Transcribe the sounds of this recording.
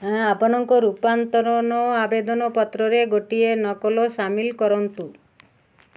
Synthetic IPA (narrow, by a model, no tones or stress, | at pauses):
apɔñɔŋkɔɾupant̪ɔɾɔnɔabed̪ɔnɔpɔt̪ɾɔɾeɡoʈienɔkɔlosamilkɔɾɔnt̪u